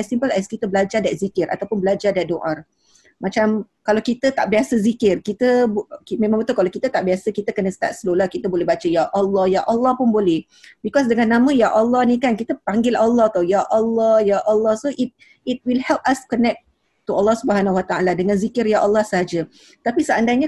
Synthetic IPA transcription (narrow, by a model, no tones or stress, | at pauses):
ɛsimpəlɛskit̪əbəlad͡ʒadat̪zikɪrʔa̰t̪awpʊnbəlad͡ʒardɛdoʔar | mãt͡ʃam | kalawkit̪ət̪aʔbiasəzikɪrkit̪əbmẽmãŋbət̪ukalawkit̪ət̪aʔbiasəkit̪əkənəsə̥t̪a̰t̪̚səlolahkit̪əbolɛhbat͡ʃəjaʔɔlːɔhjaʔɔlːɑhpʊnbolɛh | bikɔsdəŋanːãmə̃jaʔɔlːɔhnĩkankit̪əpaŋɡɪlʔalːɑht̪awjaʔɔlːɔhjaʔɔlːɑhsoʔit̚ | it̚wilhɛlp̚askɔnɛk̚ | tːualːɑhsubəɦanawat̪aaladəŋãnzikɪrjaʔɔlːɑhsəɦad͡ʒə | t̪apisəandajɲa